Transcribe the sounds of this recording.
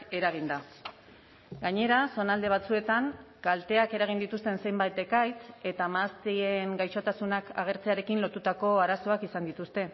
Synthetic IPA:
e̞ɾaɣind̪a | ɡaɲe̞ɾaso̞nald̪e̞β̞at͡sue̞t̪aŋkalt̪e̞ake̞ɾaɣ̞ind̪it̪ust̪e̞nse̞jmbajt̪e̞kajt͡se̞t̪amast̪ieŋɡajʃo̞t̪asunaka̰ɣ̞e̞ɾt͡se̞aɾe̞kinlo̞t̪ut̪ako̞aɾaso̞akisand̪it̪ust̪e̞

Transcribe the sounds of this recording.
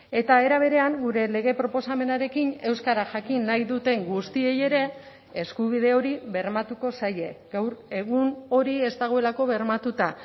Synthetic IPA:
e̞t̪ae̞ɾaβ̞e̞ɾe̞aŋɡuɾe̞le̞ɣ̞e̞pɾo̞po̞same̞naɾe̞kine̞wskaɾaʝakinːajðut̪e̞ŋɡust̪ie̞je̞ɾe̞ː | skuβ̞ið̞e̞o̞ɾiβe̞ɾmat̪uko̞saje̞ɡawɾe̞ɣ̞uno̞ɾie̞st̪aɣ̞oe̞lako̞βe̞ɾmat̪ut̪a

